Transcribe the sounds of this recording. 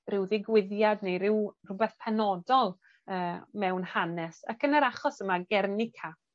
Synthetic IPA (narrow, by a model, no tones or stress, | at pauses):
rɪwðɪɡwɪðjadnejɾɪwr̥ʊbɛθpʰɛnɔdɔlˠ | əːmɛwnhanɛsa̰kənəɾaχɔsəmaɡɛrnɪkʰa